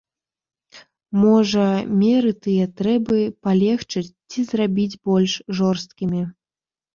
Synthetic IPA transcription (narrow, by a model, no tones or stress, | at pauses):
mɔʐɐmʲɛɾɨt̪ɨjɛt̪ɾɛbɨpalʲɛxt͡ʂɨt͡sʲt͡sʲizrabʲid͡zʲbɔlʲʂʐɔrst̪̚kʲimʲi